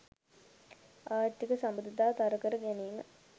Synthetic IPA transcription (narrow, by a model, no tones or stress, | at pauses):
aːt̪ikəsambəd̪it̪aːt̪aɾəkəɾəɡæneːmə̰